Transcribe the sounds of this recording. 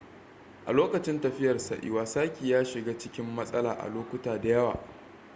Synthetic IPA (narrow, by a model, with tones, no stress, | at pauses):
ʔa̰˨loː˦kɐ˨t͡ʃɪ˦ntɐ˨ɸɪ˦jɐ˨rsa˨ʔɪ̰˦waː˦saː˦kʲiː˨jaː˦ʃɪ˨ɡaː˦t͡ʃɪ˦kʲɪ˦mːɐ˦sʼɐ˦laː˨ʔa̰˨loː˦kʷʊ˦taː˨da˨jɐ˦wa̰ː˨